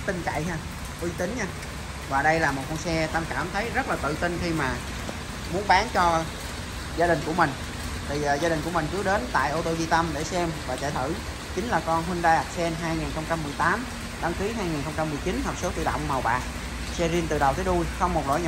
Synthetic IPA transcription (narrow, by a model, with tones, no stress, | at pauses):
t̪ï˧ŋt͡ɕa̰˧˨jɦa˧ | ʔwi˧t̪ï˨˦ŋ̟ɲaː˧ | vaː˨˩ɗə˧jlaː˨˩mo˨˩t̚kɔ˧nsɛ˧t̪a˧mkaː˧˩mt̪ʰə˨˦jzə˦˥t̚laː˨˩t̪ɨ̰˧˨t̪i˧ŋxi˧maː˨˩ | mu˨˦ənɓaː˨˦nt͡ɕɔ˧ | zaː˧ɗï˨˩ŋ̟ku˧˩əmï˨˩ŋ̟ | t̪ʰi˨˩˨zaː˧i˨˩ŋ̟ku˧˩əmi˨˩ŋ̟t͡ɕɨ˨˦ɗe˨˦nt̪a̰ː˧˨jʔo˧t̪o˧zi˧t̪ə˧mɗe˧˩sɛ˧mvaː˨˩t͡ɕa̰˧˨jt̪ʰɨ̰˧˩ | t͡ɕï˨˦ŋ̟laː˨˩kɔ˧nɦwi˧nɗaː˧jʔa˨˩k̚sɛ˧nɦaː˧jŋaː˨˩nxə˧wŋ͡mt͡ɕa˧mːɨ˨˩əjt̪aː˨˦m | ɗa˨˧˦ŋki˨˦ɦaː˧jŋiː˨˩nxə˧wŋ͡mt͡ɕa˧mːɨ˨˩əjt͡ɕi˨˦nhə˨˩p̚so˨˦t̪ɨ̰˧˨ɗə̰˧˨wŋ͡mmə˨˩wɓa̰ː˨˩ʔ̚ | sɛ˧zi˧ənt̪ɨ̰˧˨ɗə˨˩wt̪ʰːɗu˧jxə˧wŋ͡mmo˨˩t̚zo̰˧˥jɲ˧˨